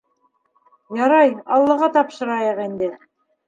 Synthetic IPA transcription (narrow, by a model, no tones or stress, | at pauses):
jɑɾɑjɑlˠːɤ̆ʁɑt̪ɑpʃɤ̆ɾɑjɤqind̪ɘ